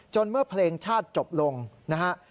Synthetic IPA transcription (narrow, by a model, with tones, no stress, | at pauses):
t͡ɕo˧nmɯ˥˩ɐpʰleː˧ŋt͡ɕʰaː˥˩t̪̚t͡ɕo˨˩p̚lo˧ŋna˦˥kʰa˦˥ʔ